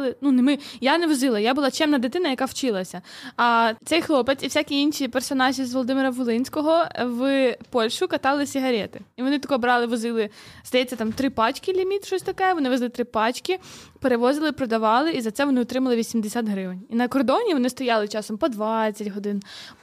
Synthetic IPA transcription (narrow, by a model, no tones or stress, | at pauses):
lˠɪnunɪmɪjanɛʋɔzɪlˠɐjabʊlˠɑt͡ʃɛmnɐd̪ɪt̪ɪnɐjɐkɑwt͡ʃɪlˠɐsʲɐɐt̪sɛjxlˠɔpet̪ʲiwsʲakʲiinʃipɛrsɔnɑʒʲizʋɔlˠɔd̪ɪmɪɾɐʋɔlˠɪnʲsʲkɔɦɔʋpɔlʲʃʊkɐt̪ɑlˠɪsʲiɦɐɾʲɛt̪ɪiʋɔnɪt̪ɔkɔbɾɑlˠɪʋɔzɪlˠɪzd̪ɐjɛt͡sʲːɐt̪ɑmt̪ɾɪpɑt͡ʃkɪlʲimʲit̪ʃɔsʲt̪ɐkɛʋɔnɪʋɛzlˠɪt̪ɾɪpɑt͡ʃkɪpeɾeʋɔzɪlˠɪpɾɔd̪ɐʋɑlˠɪizɐt̪sɛʋɔnɪɔt̪ɾɪmɐlˠɪʋʲisʲimd̪esʲat̪ɦɾɪʋɪnʲinɐkɔrd̪ɔnʲiʋɔnɪst̪ɔjɑlˠɪt͡ʃɑsɔmpɔd̪ʋɑt͡sʲːɐtʲɦɔd̪ɪn